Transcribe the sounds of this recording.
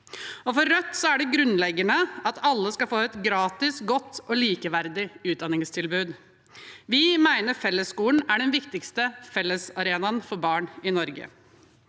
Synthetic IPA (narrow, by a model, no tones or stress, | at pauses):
ɔfɔɾːœt̪ːsɔæɖɛɡɾʉnlɛɡːənəɑt̪ʰɑlːəskɑfoːɛt̪ɡɾɑːt̪ɪsɡɔt̪ːɔliːkəʋæɾd̪ɪʉːd̪ɑnːɪŋst̪ʰɪlbʉːd̪ | ʋɪmæɪnəɾfɛlːəskuːln̩æɖɛnʋɪkt̪ɪkst̪əfɛlːəsɑɾeːnɑnfɔɾbɑːɳɪnɔɾɡə̰